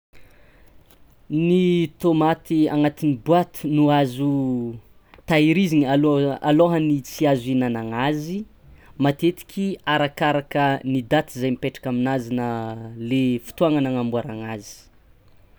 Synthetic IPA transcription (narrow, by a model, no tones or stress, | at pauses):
nit̪omat̪ia̰ŋat̪inibuat̪u̥nuazu | t̪aiɾiziŋaloaloɦənit͡siazuinanaŋazi | mat̪et̪i̥kʰʲiaɾakaɾakənid̪at̪izajmipeʈ͡ʂḁkaminazinalefi̥t̪uaŋanaŋambuaɾaŋazi̥